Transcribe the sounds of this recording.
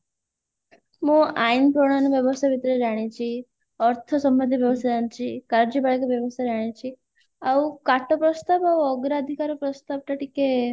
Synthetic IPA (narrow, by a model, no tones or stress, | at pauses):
mũainpɾoɳanʋjəʋɔst̪ʰaʋit̪ɾeɾaɽ̃ĩt͡ʃʰi | ɔɾt̪ʰɔsɔmbənd̪ʱiʋjəʋst̪d͡ʒant͡ʃʰikaɾd͡ʒibaɭekaʋjɔʋɔst̪ʰajɾaɽ̃ĩt͡ʃʰi | aukaʈopɾɔst̪abawɔɡɾad̪ʱikaɾopɾɔst̪ab̚ʈ̪aʈike